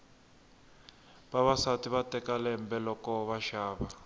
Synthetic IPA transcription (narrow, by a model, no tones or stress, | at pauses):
baβasatiβatɛkalɛm̩bɛlɔkɔβaʃaːβa